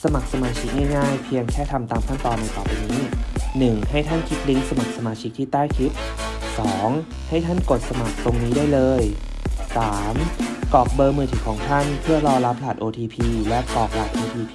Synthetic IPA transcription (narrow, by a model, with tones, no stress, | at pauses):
sa˧ma˨˩k̚sa˧maː˧t͡ɕʰi˦˥k̚ŋaː˥˩jŋaː˥˩jpʰi˧əŋkʰɛː˥˩t̪ʰa˧mt̪aː˧mkʰa˥˩nt̪ɔː˧nːa˧jpɔː˨˩piː˧niː˦˥nɯ˨˩ŋha˥˩jt̪ʰa˥˩nkʰi˦˥t̪̚li˦˥ŋsa˧ma˨˩k̚sa˧maː˧t͡ɕʰi˦˥k̚t̪ʰiː˥˩t̪aː˥˩jkʰi˦˥t̪̚sɔː˩˦ŋ | ha˥˩jt̪ʰa˥˩nko˨˩t̪̚sa˧ma˨˩k̚t̪o˧ŋniː˦˥daː˥˩jlɤː˧j | saː˩˦mkɔː˨˩k̚bɤː˧mɯː˧˩t̪ʰiː˨˩˦kʰɔː˩˦ŋt̪ʰa˥˩npʰɯ˥˩ɐlɔː˧la˦˥p̚laː˨˩t̪̚ʔoː˧t̪ʰiː˧pʰiː˧lɛ˦˥kɔː˨˩k̚laː˨˩t̪̚ʔoː˧t̪ʰiː˧pʰː